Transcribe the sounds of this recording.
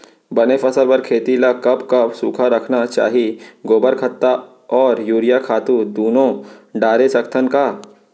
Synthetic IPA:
bɐnepʰɐsəɾpɐɾkʰeːt̪ilakɐbkɐbsuːkʰaɾɐkʰnat͡ʃa̰ːɦiɡoːbəɾkʰɐt̪ːa | ɔːɾjuːɾijakʰaːt̪ud̪uːnõɖaːɾesɐkt̪ʰənkaː

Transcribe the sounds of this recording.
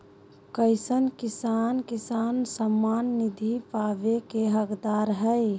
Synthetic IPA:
kəɪsənkisankisansəmːanːid̪ʱipabekeɦəkd̪aɾɦəj

